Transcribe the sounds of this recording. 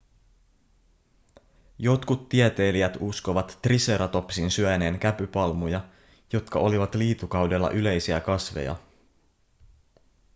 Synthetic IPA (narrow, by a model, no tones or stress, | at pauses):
jo̞t̪kut̪ːiet̪e̞ːliæt̪usko̞ʋɑt̪ːrise̞ɾɑt̪o̞psinsyæne̞ːŋkæpypɑlmujɑ | jo̞t̪kɑʔo̞liʋɑt̪liːt̪ukɑwde̞lːɑ̰ʔyle̞jsiækɑsʋḛjɑ̰